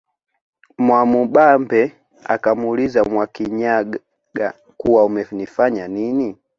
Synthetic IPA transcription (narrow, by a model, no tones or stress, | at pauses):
mwamuɓambɛ | a̰kamulizamwakiɲaɡ | ɡa̰ | kuwaumɛnifaɲanini